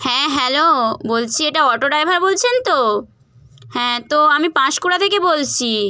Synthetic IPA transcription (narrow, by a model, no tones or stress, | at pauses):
hɛ̃ɦɛlobolt͡ɕʰieʈaɔʈoɖajbʱaɾbolt͡ɕʰent̪o | hɛ̃t̪oamipãʃkuɽat̪ʰekebolt͡ɕʰi